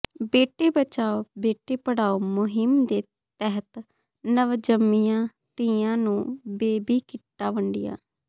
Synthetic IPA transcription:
beːʈeːbət͡ʃaːobeːʈeːpəɽaːoːmʊɦɪmd̪eː | t̪ɛɦət̪ | nəʋd͡ʒəmːiːãː | t̪iːãːnũːbeːbiːkɪʈːaːʋəɳɖɪja̰ː

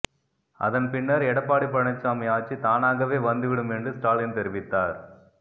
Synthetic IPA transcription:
ɐ̰ðɐnpɪnːɐɾɛɽɐpːaːɽip̬ːɐɳɐt͡ʃːaːmɐjaːt͡ʃːit̪aːnaːɣɐʋeːʋɐnd̪ɯʋɪɽɯmɛndrɯsʈaːlɪnt̪ɛɾɪʋɪt̪ːaːɾ

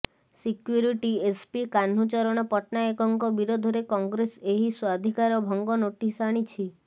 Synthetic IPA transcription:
sikjuɾiʈiespikan̤ut͡ʃɔɾɔɽ̃ɔpɔʈnaekɔŋkɔbiɾod̪ʱɔɾekɔŋɡɾeseɦiswad̪ʱikaɾɔbʱɔŋɡɔnoʈisaɽ̃it͡ʃʰi

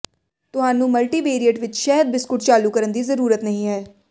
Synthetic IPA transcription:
t̪ʊɦaːnũːməlʈiːbeːɾiəʈʋɪt͡ʃʃɛːɦəd̪̚bɪskʊʈt͡ʃaːluːkəɾənd̪iːzəɾuːɾət̪nəɦĩːɦɛː

